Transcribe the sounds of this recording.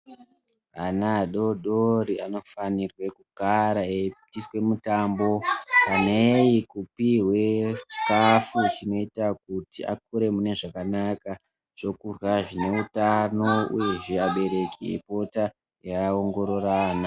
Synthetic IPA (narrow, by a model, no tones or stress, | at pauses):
anaɗo̞ɗoɾiano̞fanirwe̞kuɡʱaɾaepitiswe̞mutaːmbo̞panejikupiɦwe̞i̥kafut͡ʃino̞itakutia̰k̚uɾe̞mune̞ʐakanaka | ʐ̥o̞kurwaʐine̞utano̞ṵje̞ʐiaɓe̞ɾe̞kʰiḛpo̞ta | jaaoŋɡo̞ɾo̞rana